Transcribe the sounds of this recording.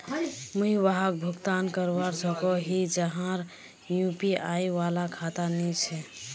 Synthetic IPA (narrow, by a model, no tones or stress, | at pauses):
muiʋaɦak̚bʱukt̪ankəɾwaɾsəkɔɦid͡ʒəɦãɾ | jupiajʋalakʰat̪anit͡ʃʰɛ